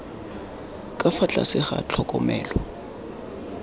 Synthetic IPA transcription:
kʼafat͡ɬʼa̰sɪχa̰t͡ɬʰɔkʼɔmɛːlɔ

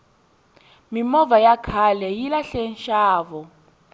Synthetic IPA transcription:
mimɔvajakʰalɛjilaɬɛnʃaːvɔ

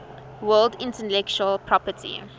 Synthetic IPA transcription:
wɜːldɪ̃ntəlɛkt͡ʃuəlpʰɹɔpətʰḭ

